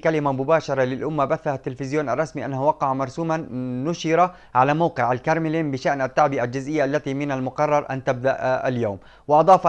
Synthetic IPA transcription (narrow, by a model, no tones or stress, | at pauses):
kalɪmamʊbaːʃɑɾˤɑlɪlʔʊmːabaθːahat̪ːɪlfɪzjoːnʔɑrˤːɑsmiʔa̰nːahuwɑqɑʕmɑɾˤsuːmanːʊʃɪɾa | ʕalamawqɪʕalkɑɾˤmɪliːmbɪʃaʔnat̪ːaʕbɪʔald͡ʒɪzʔɪjːaʔalːat̪imɪnalmʊqɑrˤːɑɾˤʔa̰nt̪ab̚d̪aʔa̰ljaːm | wɪʔɑd̪ˤɑːf